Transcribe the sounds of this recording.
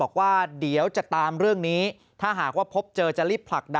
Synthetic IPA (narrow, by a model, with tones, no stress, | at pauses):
ɔː˨˩k̚waː˥˩di˨˩˦ə˦wt͡ɕa˨˩t̪aː˧mɾɯ˥˩əŋniː˦˥ | t̪ʰaː˥˩ɦaː˨˩k̚waː˥˩pʰo˦˥p̚t͡ɕɤː˧t͡ɕa˨˩ɾiː˥˩pʰla˨˩k̚da˧